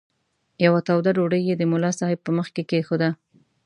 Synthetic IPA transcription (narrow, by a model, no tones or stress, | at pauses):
jawat̪awd̪aɖoɽəjːed̪əmʊlɑsɑhɪb̚pəməxkekexod̪a